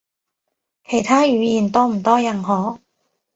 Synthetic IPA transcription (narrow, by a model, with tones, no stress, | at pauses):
kʰe˨˩jt̪ʰaː˥jyː˨˧jiː˨˩nt̪ɔː˥m̩˨˩t̪ɔː˥jɐ˨˩nɦɔː˨˥